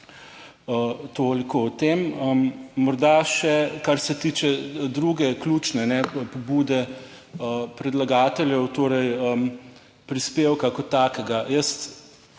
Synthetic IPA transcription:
ət̪oːlikowt̪eməmːɔɾd̪aʃɛkaɾsɛt̪iːt͡ʃɛd̪ɾuːɡɛklʲuːt͡ʃnɛnɛpɔbuːd̪ɛ | əpɾɛd̪laɡaːt̪ɛljɛwt̪oːɾɛjəm | pɾispeːwkakɔt̪ːaːkɛɡajəst̪

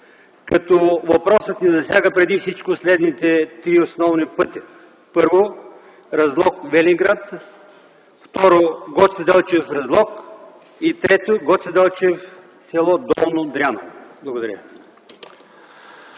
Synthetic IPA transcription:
kɐt̪ɔvɐpɾɔsət̪nɛzɐsʲjaɡəpɾɛd̪ifsit͡ʃkʊslɛd̪nit̪ɛt̪ɾiosnɔvnipɤt̪i | pɤɾvo | ɾɐzlˠɔkvɛliŋɡɾat̪ | ft̪ɔɾoɡɔt̪sɛd̪ɛlˠt͡ʃɛfɾɐzlˠɔk | it̪ɾɛt̪oɡɔt̪sɛd̪ɛlˠt͡ʃɛf | sʲɛlˠɔd̪ɔlˠnod̪ɾʲanoblˠɐɡʊd̪ɐɾjə̰

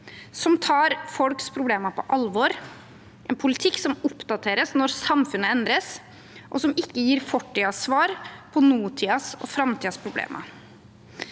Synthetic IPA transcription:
sɔmt̪ʰɑːɾfɔlkspʰɾʊbleːmɑpʰɔʔɑlʋɔɾ | ʔɛnpʰʊlɪt̪ʰɪkːsɔmʊpd̪ɑt̪ʰeːɾəsnɔɾsɑmfʉnːəɛnd̪ɾəs | ʔɔsɔmɪkːəjiːɾfɔʈːiːɑsʋɑːɾpʰɔnuːt̪ʰiːɑsɔ̰fɾɑmt̪ʰiːɑspʰɾʊblḛːmʔɑ̰

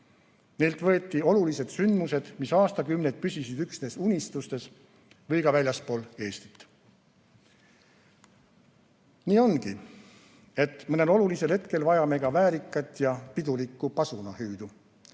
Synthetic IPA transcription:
ne̞lt̪vɤ̞et̪ˑːio̞lulise̞d̪̥synd̪̥muse̞d̪̥misɑːst̪ɑkymned̪̥̚pysisid̪yksne̞ːsunʲist̪ust̪e̞s | vɤjɡɑvælʲjɑspo̞ːle̞ːst̪i̥t̪ː | niːo̞nɡi | e̞t̪ːˑmɤne̞lo̞lulise̞lhe̞t̪ke̞lvɑjɑme̞ɡ̥ɑvæːɾikːˑɑt̪ːˑjɑpid̪ulikːupɑsunɑhyːd̪̥u

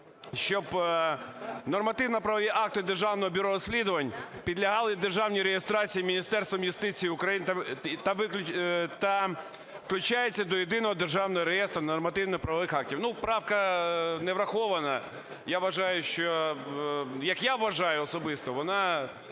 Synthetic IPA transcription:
ʃt͡ʃɔb | nɔrmɐt̪ɪwnɐpɾɐʋɔʋʲiʔɑk̚t̪ɪd̪erʒɑwnɔɦɔbʲʊɾɔɾɔsʲlʲid̪ɔʋɐnʲpʲid̪lʲɐɦɑlˠɪd̪erʒɑwnʲiɾejest̪ɾɑt͡sʲijimʲinʲist̪ɛrst̪ʋɔmjʊst̪ɪt͡sʲijiʊkɾɐjint̪ɐt̪ɐʋɪt̪ɐ | fklʲʊt͡ʃajet͡sʲːɐd̪ɔjed̪ɪnɔɦɔd̪erʒɑwnɔɦɔɾejɛst̪ɾɐnɔrmɐt̪ɪwnɪxpɾɐʋɔʋɪxɑk̚tʲiwnupɾɑwkɐneʋɾɐxɔʋɐnɐ | jaʋɐʒɑjʊʃt͡ʃɔ | jɐkjaʋɐʒɑjʊɔsɔbɪst̪ɔʋɔnɑ

